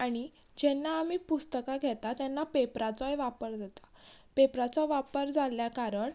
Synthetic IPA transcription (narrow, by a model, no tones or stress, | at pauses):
aɽ̃i | d͡ʑɛnːaːmiːpust̪əkaɡʱɛt̪at̪ɛnːapepɾat͡sɔjʋapəɾd͡z̪ʱat̪ḁpepɾat͡sɔʋapəɾd͡zʱaljakaɾəɳ